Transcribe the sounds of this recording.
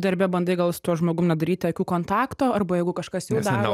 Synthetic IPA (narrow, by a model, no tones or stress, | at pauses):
d̪ɐɾʲbʲɛbɐnd̪ɐɪɡɐlˠst̪uɔʒmoːɡʊmnʲɛd̪ɐɾʲiːt̪ʲɐkʲuːkoːnt̪ɑːkt̪oːɐrbɐjɛɪɡʊkɐʃkɐsjɛʊd̪ːɾoː